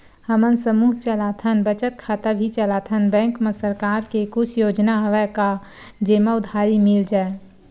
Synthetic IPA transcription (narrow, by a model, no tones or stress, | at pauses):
həmənsəmuːɦt͡ʃəlat̪ʰənbət͡ʃət̪̚kʰaːt̪abʱit͡ʃəlat̪ʰənbɛ̃ːŋkmesəɾkaːɾkekʊt͡ʃʰjoːd͡ʒnaɦəʋɛka | d͡ʒeːməʊd̪ʱaɾimɪld͡ʒaːe